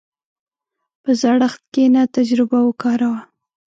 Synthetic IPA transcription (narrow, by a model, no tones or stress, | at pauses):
pəzɑɽəxt̪̚kenat̪ad͡ʒɾɪbawəkɑɾawa